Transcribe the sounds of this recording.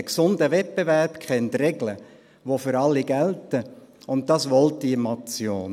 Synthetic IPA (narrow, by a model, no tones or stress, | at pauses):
əksʊndəʋɛt̚pevæɾpkχɛntrɛɡlə | ʋofʏɾɑlːiɡæltəʊnt̚dɑsʋɔltdimɑt͡sjoːn